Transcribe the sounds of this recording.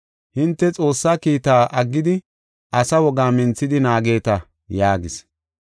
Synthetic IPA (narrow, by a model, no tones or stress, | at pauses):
hɪnt̪ːɛt͡sʼo̞ːsːaːkiːt̪aːʔɐɡːɪd̪ɪ | ʔɐsɐwɔɡaːmɪnt͡sːɪd̪ɪnaːɡe̞ːt̪ɐ | jaːɡɪs